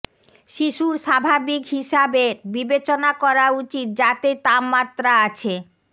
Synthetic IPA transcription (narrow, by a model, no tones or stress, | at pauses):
ʃiʃuɾʃabʱabikɦiʃabeɾbibet͡ɕonakɔɾaut͡ɕit̪̚d͡ʑat̪et̪amːat̪ːɾaat͡ɕʰe